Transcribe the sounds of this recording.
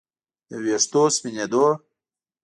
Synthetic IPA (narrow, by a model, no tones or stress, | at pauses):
weʂt̪ospined̪o